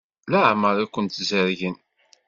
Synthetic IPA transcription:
laʕməɾˤækʷːənt̪zəɾʝən

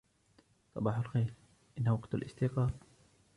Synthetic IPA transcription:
sˤɑbɑːħʊlxejl | ʔɪnːhawaɡt̪alʔɪ̰st̪iqɑːb

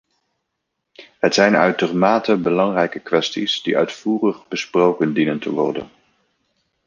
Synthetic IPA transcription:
ɦətsɛjnœ̰ɥt̚dərmaːtəbəlɑŋrɛjkəkʋɛstisdiʔœ̰ɥtfuːrəχbəsprowkəndinəntəʋɔ̰rdə̰n

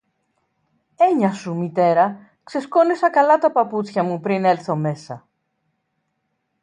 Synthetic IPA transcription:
e̞ɲɐsumit̪e̞ɾɐ | kse̞sko̞nesɐkɐlɐt̪ɐpɐput͡sçɐmupɾine̞lθo̞me̞sɐ̰

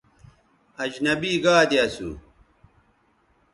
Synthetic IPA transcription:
ɐd͡ʑnɐbiːɡaːd̪jɐsṵ

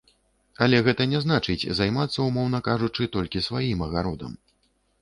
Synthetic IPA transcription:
ɐlʲɛɣɛt̪ɐnʲɛzn̪at͡ʂɨt͡sʲzajmat̪sːɐumɔwnɐkaʐut͡ʂɨt̪ɔlʲkʲisvajimɐɣaɾɔd̪ɐ̰m

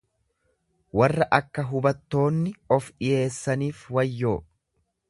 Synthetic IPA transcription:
wɐrːɐʔɐkːɐɦʊbɐt̪ːo̞ːnːɪɔfᶑɪje̞ːsːɐniːfwɐjːo̞ː

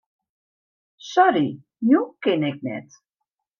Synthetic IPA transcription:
sɔɾi | nʲukenɛk̚nɛ̰t̪

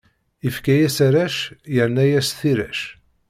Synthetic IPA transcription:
ifkæjæsaɾæʃjəɾnæjæsθiɾæ̰ʃ

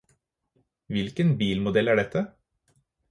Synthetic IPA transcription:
ʋɪlkənbiːlmʊd̪ɛlæːɖɛt̪ə

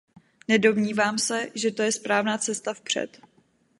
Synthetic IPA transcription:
nɛdo̞vɲiːvaːmsɛʒɛt̪o̞jɛspɾaːvnaːt͡sɛst̪afpr̝̥ɛ̰t̪

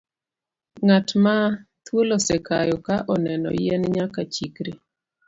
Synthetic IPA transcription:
ŋatma | t̪wolosɛkajɔkaʔɔnɛnɔ̰jɛnɲakat͡ʃikɾe

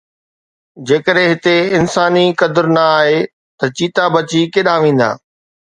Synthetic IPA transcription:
d͡ʑeːkəɗɦẽɦɪt̪eɪnsaːnikɐd̪ʊɾnɐaːɦe | t̪ɐt͡ɕiːt̪abɐt͡ɕikeːɗaʋẽːn̆d̪a̰ː

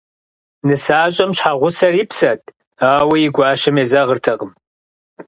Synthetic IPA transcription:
nɨsaːɕʼɐmɕħaːʁʷʊsɐriːpsɐt̚ʰʼ | aːwɐjɪɡʷɑːʃɐmeːzɐʁərtʰɐʁəm

